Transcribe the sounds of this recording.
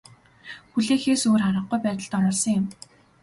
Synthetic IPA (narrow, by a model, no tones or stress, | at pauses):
xuɮeːxeːsoːraɾə̆q̚ujpæːt̪ə̆ɮt̪ɔɾɔːɮsə̆ŋjʊ̆m